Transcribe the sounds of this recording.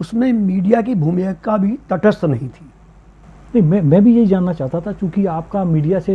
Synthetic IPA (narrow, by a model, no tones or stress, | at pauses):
ʊsmẽmiːɖijak̬ibʱuːmjəkabʱit̪ɐʈəst̪nɐɦĩt̪ʰi̥ː | nɐɦĩmɛ̃ːmɛ̃ːbʱijɐɦid͡ʒaːnːat͡ʃaːɦt̪at̪ʰat͡ʃjõːkiaːp̚kamiːɖijase